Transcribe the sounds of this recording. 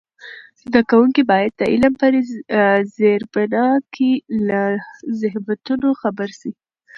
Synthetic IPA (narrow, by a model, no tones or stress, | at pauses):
zd̪akawuŋkibɑjad̪̚ːəʔɪlampəd̪ezeɾbanɑkʰelazɪhbat̪unoxabaɾʃi